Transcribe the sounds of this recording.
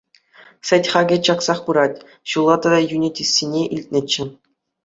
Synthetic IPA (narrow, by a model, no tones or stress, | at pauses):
sʲɘ̆tʲχɑɡʲɘ̆t͡ɕɑksɑχpɯɾɑtʲ | ɕulˠːɑt̪ɑd̪ɑjunʲitʲisʲːinʲeʔilʲt̚ʲnʲɘ̆t͡ɕːɘ̆